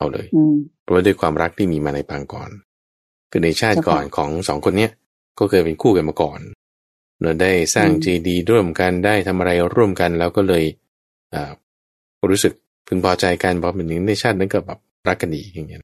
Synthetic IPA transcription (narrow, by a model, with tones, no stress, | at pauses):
ʔa˧˩wlɤ̰ː˧jɾwaː˥˩du˥˩əjkʰwaː˧mɾa˦˥k̚t̪ʰiː˥˩miː˧maː˧na˧jpaː˧ŋkɔ̰ː˨˩n | kʰɯː˧˩na˧jt͡ɕʰaː˥˩kɔ̰ː˨˩nkʰɔː˩˦ŋsɔː˩˦ŋkʰo˧nːi˦˥ɐʔ | kɔː˥˩kʰɤː˧jpe˧nkʰuː˥˩ka˧nmaː˧kɔː˨˩n | nɯ˧˩daː˥˩jsaː˥˩ŋt͡ɕiː˧diː˧ɾu˥˩əmka˧ndaː˥˩jt̪ʰa˧mʔa˧ɾa˧jɾu˥˩əmka˧nlɛː˦˥wkɔː˥˩lɤː˧j | ʔaː˨˩ | ɾuː˦˥sɯ˨˩k̚ | pʰɯ˧ŋpʰɔː˧t͡ɕa˧jka˧nbʰɔː˧˦mɯː˨˦nɯ˨˦˥na˧jt͡ɕʰaː˥˩t̪̚na˥nka˨˩bɛː˨˩p̚ɾa˦˥kːa˧ndiː˧˩ka˧˩ŋːi˦˥˨n˦˥